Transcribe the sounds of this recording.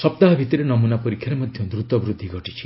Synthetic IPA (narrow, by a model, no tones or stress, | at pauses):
sɔp̚t̪aɦɔbʱit̪iɾenɔmunapɔɾikʰjaɾemɔd̪ʱjɔd̪ɾut̪wɔbɾud̪ʱːiɡʱɔʈit͡ʃʰi̥